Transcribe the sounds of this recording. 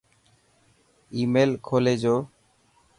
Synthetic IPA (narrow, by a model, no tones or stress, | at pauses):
imelkʰoled͡ʑo